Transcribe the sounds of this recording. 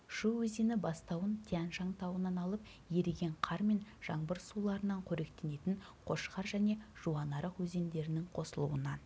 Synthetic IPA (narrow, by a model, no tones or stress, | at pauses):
ʃuwɵze̞nɪbɑst̪ɑwənt̪ʲʰeænʒɑŋt̪ɑwənɑnɑlˠəp | je̞ɾeɡʲe̞ɴqʰɑɾme̞nʒ̥ɑɴbəɾsulˠɑɾənɑɴqʰɵɾe̞kt̪e̞ne̞t̪ɪnqʰo̞ʃqɑɾʒæne̞ʒ̥uɑnɑɾəqwɵze̞nd̪e̞ɾɪnɪŋqʰo̞səlˠṵənɑn